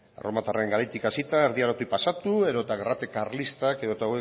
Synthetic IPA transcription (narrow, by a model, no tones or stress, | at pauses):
romat̪areeŋɡaɾajt̪ikasit̪aeɾðiaɾot̪ujpasat̪ue̞ðot̪aɣerat̪ekaɾlist̪akeðo̞t̪awe